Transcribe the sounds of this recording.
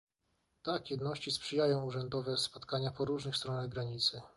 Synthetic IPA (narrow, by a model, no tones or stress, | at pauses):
t̪akjɛd̪nɔɕt͡ɕispʂɘjajɔ̃w̃uʐɛnd̪ɔvɛspɔt̪kaɲapɔɾuʐnɘxst̪ɾɔnaɣɡɾaɲit̪sɘ